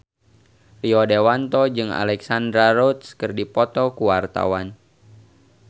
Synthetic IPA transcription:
riɔdewant̪ɔd͡ʒɨŋa̰lɛksand̪ɾaɾɔt̪skərdipɔt̪ɔkuwart̪a̰wan

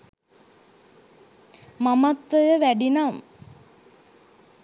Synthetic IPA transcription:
mamat̪ʋəjəʋæɖinam

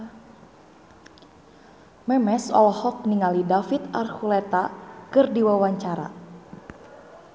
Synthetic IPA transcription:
mɛmɛsɔ̰lhɔk̚niŋalidafit̪a̰rhulɛt̪akɨrdiwawaɲt͡ʃaɾa̰

